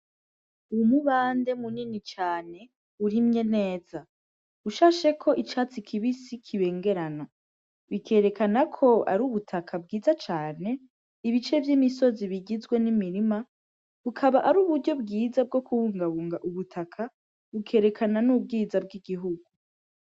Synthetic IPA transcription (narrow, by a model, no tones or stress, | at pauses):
uumuβaːnde̞muninit͡ʃaːne̞ | uɾimɲe̞ne̞ːz̥a | uʃaːʃe̞kʰo̞ʔit͡ʃaːt͡sikʰiβisikʰiβe̞ːŋɡe̞ɾana | βikʰe̞ɾe̞kanakʰo̞a̰ɾuːβutʰakʰabɡiːzat͡ʃaːne̞ | iβit͡ʃe̞vjiːmiso̞ziβiɡizɡwe̞nimiɾima | βukʰaβaʔaɾuːβuɾɟo̞b̚ɡiːzab̚ɡo̞kuβuːŋɡaβuːŋɡaʔuβutʰakʰa | βukʰe̞ːɾe̞kʰananub̚ɡiːzabɡiɡiɦuɡu